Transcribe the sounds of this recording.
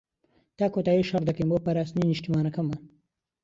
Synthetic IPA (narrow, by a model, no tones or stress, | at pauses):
t̪akot̪aeʃɐɾd̪ɐkimopɐɾasniniʃtimaːnɐkɐmɐ